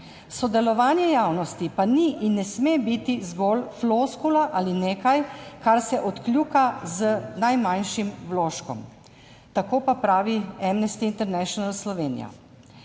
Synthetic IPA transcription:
sɔd̪ɛlɔʋaːnjɛjaːwnɔst̪ipaniʔinːɛsmebit̪izɡɔlfloskulaʔalineːkajkaɾsɛʔɔt̪klʲjuːkazənajmanʃimwloːʃkɔ̰m | t̪akoːpapɾaːʋiɛmnɛst̪iːnt̪ɛɾnɛʃjɔnalslɔʋeːnḭja̰

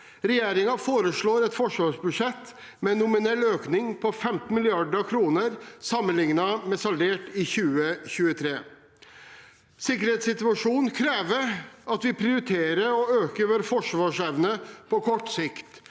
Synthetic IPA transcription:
ɾɛjeːɾɪŋɑfoːɾəʂɭoːɾɛt̪fɔʂʋɑːʂbʉʂɛt̪ː | mɛnːʊmɪnɛlːøːknɪŋpʰɔfɛmt̪n̩mɪlɪɑɖɾkʰɾuːnəɾsɑmːənlɪŋnɑmɛsɑlʋeːʈɪçʉːəçʉːət̪ʰɾeː | sɪkəɾheːt̪sɪt̪ʉɑʂuːnkʰɾeːʋəɾɑt̪ʋɪpʰɾɪʊɾɪt̪ʰeːɾəɾɔøːkəɾʋoːɾəfɔʂʋɑːʂɛʋnəpʰɔkʰɔʈːsɪkt̪

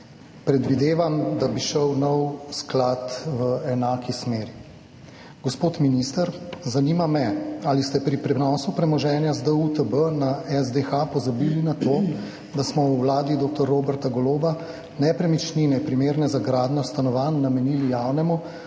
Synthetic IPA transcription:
pɾɛd̪ʋid̪eːʋamd̪abiʃəwnɔwsklat̪ʋəɛnaːkʰismeːɾi | ɡ̥ospoːt̪minist̪əɾzaniːmamɛalist̪ɛpɾipɾɛnɔːsupɾɛmɔʒɛːnjazd̪əut̪əbənaɛzd̪exapɔzabiːlinat̪oː | d̪asmɔwwlaːd̪id̪oːk̚t̪ɔɾːoːbəɾt̪aɡɔloːba | nɛpɾɛmit͡ʃninɛpɾimeːɾnɛzaɡɾaːd̪nɔst̪anɔʋanːamɛniːlijaːwnɛmu

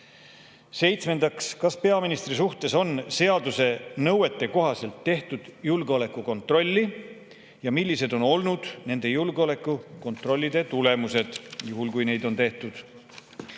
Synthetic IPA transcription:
se̞jt̪sme̞nd̪ɑkskɑspe̞ɑminist̪risuht̪e̞so̞nse̞ɑd̪use̞nɤwe̞t̪ːˑe̞ko̞ɦɑse̞lt̪ːe̞ht̪ud̪̥julɡ̥eo̞le̞kːˑuko̞nt̪ˑro̞lʲːi | jɑmilʲːise̞d̪o̞no̞lnud̪̥ne̞nd̪̥e̞julɡ̥eo̞le̞kˑːuko̞nt̪ˑro̞lʲːid̪̥e̞t̪ule̞muse̞d̪̥juɦulkujne̞jd̪o̞nt̪e̞ht̪ud̪̥

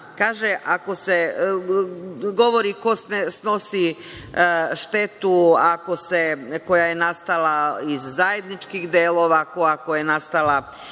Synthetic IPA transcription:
kaːʒeʔako̞se | ɡo̞ʋo̞ɾiko̞snesno̞si | ʃt̪e̞t̪uako̞seko̞jajenast̪alˠaizːaje̞d̪nit͡ʃkixd̪eːlˠo̞ːʋako̞jako̞jenast̪alˠa

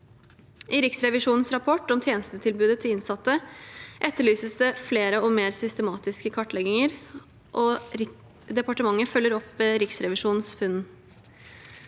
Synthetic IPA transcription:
ʔɪɾɪksɾɛʋɪʂuːnn̩sɾɑpʰɔʈːɔmt̪ʰjeːnəst̪ət̪ʰɪlbʉːd̪ət̪ʰɪlɪnsɑt̪ːəʔɛt̪ːəɭyːsəsd̪ɛfleːɾəɔmeːɾsʏst̪əmɑːt̪ɪskəkʰɑʈːlɛɡɪŋəɾ | ʔɔ | d̪ɛpɑʈəmɑŋːəfœlːəɾɔpɾɪksɾɛʋɪʂuːnnsfʉn

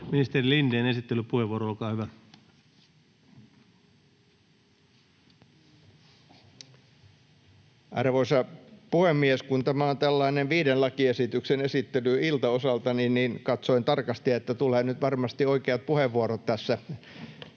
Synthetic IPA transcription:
minist̪erilindeːnesit̪ːelypuheʋuoɾoolkɑːhyʋæ | ʔɑ̰rʋoisɑpuhemːieskunt̪æmæont̪ælːɑineʋʋiːdenlɑkiesit̪yksenesit̪ːelyilt̪ɑosɑlt̪ɑninniːnkɑt̪soint̪ɑrkɑst̪iɑet̪ːæt̪uleːnyt̪ʋɑrmɑst̪ioikeɑt̪̚puheʋʋuoɾot̪t̪ːæsːæ

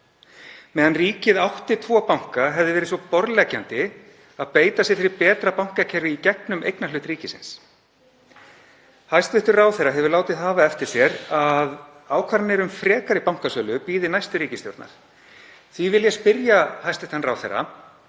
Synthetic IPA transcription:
mɛːðanriːcɪðawht̪ɪt̪ʰvɔːpawŋ̥kaɦɛvðɪvɛːɾɪsɔpɔɾlɛːcant̪ɪ | aðpeːjt̪asjɛɾ̥fɪɾɪpɛːt̪ɾapawŋ̥kacʰɛɾvɪicɛknʏmʔḛjknalʏːht̪ɾiːcɪsɪ̰ns | hajst̪vɪht̪ʏɾraːwθɛjɾːaɦɛvʏɾlaːwt̪ɪðɦaːvaɛft̪ɪɾ̥sjɛɾað | aːwkʰvaɾnɪɾʏmfɾɛːkaɾɪpawŋ̥kasœːlʏpiːðɪnajst̪ʏɾiːcɪst̪jo̰wɾt̪na̰ɾ̥ | θvivɪljɛspɪɾjahajst̪ɪht̪ʰanraːwθḛrːa̰

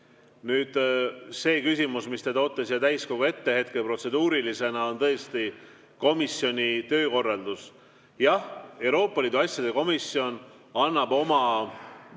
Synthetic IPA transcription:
nyːd̪̥se̞ːkysʲimusmist̪ed̪̥ɑot̪ːˑesjɑt̪æjsko̞ɡ̥ue̞t̪ːe̞he̞t̪̚ke̞pro̞t̪se̞d̪uːɾilise̞nɑo̞nt̪ɤest̪i | ko̞misio̞nʲit̪ø̞ːko̞rːɑld̪̥us | jɑhe̞wɾo̞ːpːˑɑliːd̪uɑsʲjɑd̪̥e̞ko̞misio̞n | ɑnːɑbo̞mɑ

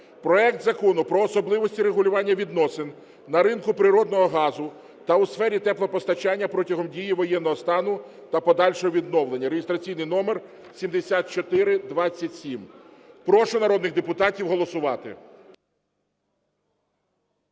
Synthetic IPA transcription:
pɾɔɛk̚t̪zɐkɔnʊpɾɔːsɔblˠɪʋɔsʲtʲiɾeɦʊlʲʊʋɑnʲːɐʋʲid̪nɔsɪn | nɐɾɪnkʊpɾɪɾɔd̪nɔɦɔɦɑzʊ | t̪ɐwsfɛɾʲit̪ɛplˠɐpɔst̪ɐt͡ʃɑnʲːɐpɾɔtʲɐɦɔmdʲijiʋɔjɛnːɔɦɔst̪ɑnʊ | t̪ɐpɔd̪ɑlʲʃɔɦɔʋʲid̪nɔʋlˠenʲːɐɾeɦɪst̪ɾɐt͡sʲijnɪjnɔmer | sʲimd̪esʲat̪̚t͡ʃɔt̪ɪɾɪd̪ʋɑt͡sʲːɐtʲsʲimpɾɔʃʊnɐɾɔd̪nɪɣd̪epʊt̪ɑtʲiwɦɔlˠɔsʊʋɑt̪ɪ̰

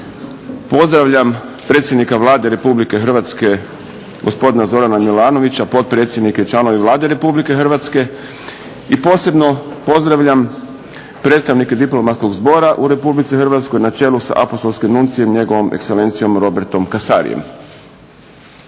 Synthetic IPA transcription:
po̞zd̪ɾaʋʎam | pɾe̞t̪sjd̪nikaʋlˠaːd̪e̞ɾe̞publike̞xrʋat̪ske̞ | ɡo̞spo̞d̪inazo̞ɾanamilaːno̞ʋit͡ɕapo̞t̪̚pɾe̞t̪sje̞d̪niket͡ʃlˠano̞ʋiʋlˠaːd̪e̞ɾe̞publike̞xrʋat̪ske̞ | ipo̞ːse̞bno̞po̞zd̪ɾaʋʎam | pɾet̪t̪aʋnike̞d̪iplo̞mat̪sko̞ɡzbo̞ɾaʔuɾe̞publit̪sixr̩ʋat̪sko̞jnat͡ʃe̞ːlusa̰ʔa̰po̞st̪olskimnunt̪sije̞mɲe̞ɡo̞ʋo̞mekse̞le̞ːnt̪sijo̞mɾo̞beɾt̪o̞mkasa̰ɾḭjḛm

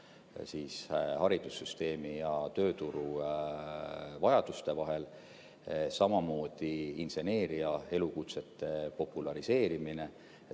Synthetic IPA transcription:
siːshɑɾid̪̥usːyst̪e̞ːmijɑt̪ø̞ːt̪uɾu | vɑjɑd̪̥ust̪e̞vɑɦe̞l | sɑmɑmo̞ːd̪̥iinse̞ne̞ːɾiɑe̞lukut̪se̞t̪ːe̞po̞pːˑulɑɾise̞ːɾimine̞

